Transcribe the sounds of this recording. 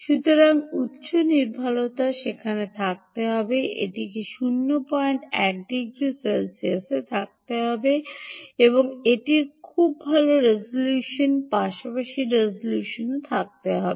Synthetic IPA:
ʃut̪oɾaŋut̪ːʃoniɾbʱalot̪aʃekʰanet̪ʰak̚t̪eɦɔbeʔḛʈikeʃunːopɔeɳʈɛk̚d̪iɡɾiselsiaset̪ʰak̚t̪eɦɔbeeboŋeʈiɾkʰubːʱaloɾezoljuʃonpaʃapaʃiɾezoljuʃonot̪ʰak̚t̪eɦɔbe

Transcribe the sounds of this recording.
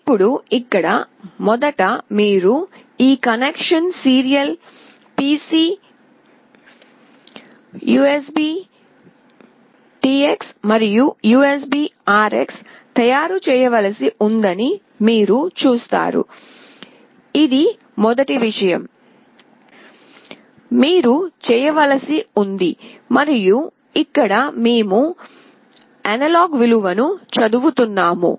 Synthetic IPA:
ipːuɽuikːɐɽɐ | mɔd̪ɐʈɐmiːɾu | iːkɐnekʂɐnsiːɾijɐl | piːsi | juːesbiː | ʈiːeksmɐɾijujuːes̬biːaːɾḛks | t̪ɐjaːɾut͡ʃɛːjɐʋɐlɐsiʔund̪ɐni | miːɾut͡ʃuːst̪a̰ːɾṵ | id̪i | mɔd̪ɐʈiʋiʂɐjɐm | miːɾut͡ʃɛːjɐʋɐlɐsiund̪imɐɾiju | ikːɐɽɐmeːmu | ɐnɐloːɡʋiluʋɐnut͡ʃɐd̪uʋut̪unːaːmṵ

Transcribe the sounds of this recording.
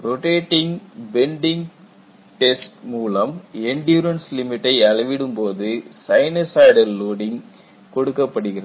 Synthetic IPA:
ɾɔʈeːʈːɪŋbɛɳɖɪŋɡ | ʈɛsʈmuːlɐmɛɳɖjuːɾɐnslɪmɪʈːɐɪɐlɐʋɪɽɯmpoːðɯsɐɪnɐsaɪɖɐlːoːɽɪŋ | kɔɽɯkːɐpːɐɽɯɣɪrɐð

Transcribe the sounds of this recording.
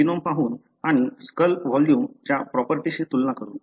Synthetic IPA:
inompaɦuːn | aɽ̃iskəlʋɔljuːmt͡ɕjapɾɔpəɾʈiɕit̪ulnakəɾṵːn

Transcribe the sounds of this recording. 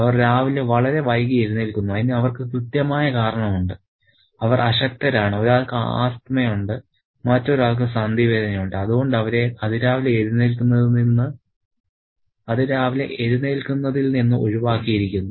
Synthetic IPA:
ɐʋɐrɾaːʋileʋɐɭɐɾe̞ʋɐjkieɾunːilkːunːuɐinːiɐʋɐrkɨkrɨt̪jɐmaːjɐkaːɾɐɳɐmuɳɖɨ | ɐʋɐrʔɐɕɐk̚t̪ɐɾaːɳɨo̞ɾaːɭkɨa̰ːst̪mɐjuɳɖɨ | mɐtːo̞ɾaːɭk̬ɨsand̪iʋeːd̪ʱɐnɐjuɳɖɨɐðuɣo̞ɳɖɐʋɐɾe̞ɐðɨɾaːʋileeɾunːelkːunːɐðninːɨ | ɐðɨɾaːʋilḛʔeɾuneːlkunːɐðilninːuʔoɻiʋaːkːijiɾikʲːunːu

